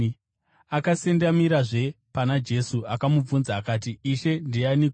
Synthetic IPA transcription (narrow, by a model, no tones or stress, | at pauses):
akasendamiɾaʐe̞panad͡ʒe̞suakamub͡vunzaːkaːt̬iːʃe̞ndianik